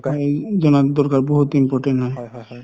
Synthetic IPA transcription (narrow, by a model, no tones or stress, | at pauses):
d͡ʒɔnad̪ɔɾkaɾbɔɦut̪impɔɾʈenɔj